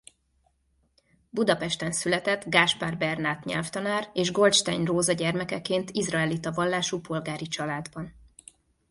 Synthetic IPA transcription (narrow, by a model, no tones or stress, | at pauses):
bud̪ɒpɛʃt̪ɛnsylɛt̪ɛt̪ɡaːʃparbɛrnaːt̪ɲɛ̰lft̪ɒnaːreːʒɡo̞lt͡ʃt̪a̰ːɲroːzɒɟɛrmɛkɛkːeːnt̪izrɒɛlit̪ɒvɒlːaːʃuːpʰo̞lɡaːɾit͡ʃɒlaːd̪bɒn